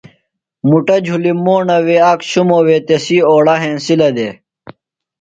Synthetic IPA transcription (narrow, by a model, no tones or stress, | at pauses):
muʈɐd͡ʑʱulimoːɳɐweakɕumowet̪esioːɽɐɦẽːnsilɐd̪e